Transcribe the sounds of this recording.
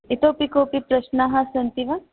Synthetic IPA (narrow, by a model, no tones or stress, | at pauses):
it̪oːpikopipɾɐʃnaɦasɐnt̪iʋa